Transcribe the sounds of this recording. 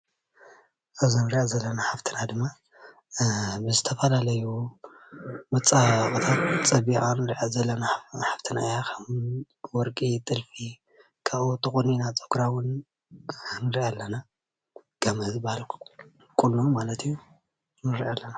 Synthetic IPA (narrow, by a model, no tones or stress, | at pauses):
ʔɐzonɨɾiʔazɐlːɐnaħaft̪ʰɨnad̪ɨmːa | bɨzɨt̪ʰɐfɐlalɐju | mɨt͡sʼːakʼɨt̪ʰat̪t͡sʼɐbiʔʼanɨɾiʕazɐlːɐnaħaft̪ʰɨnajakʰɐmun | wɔɾkʼit̪ʼɨlfi | kʰaβʔut̪ʰɨxʼoninat͡sʼoɡɾawʊn | nɨɾiʔalːɐna | ɡ̥ɐmɐzbahalk | kʼulːomalɐt̪ʰiju | nɨɾiʔalːɐna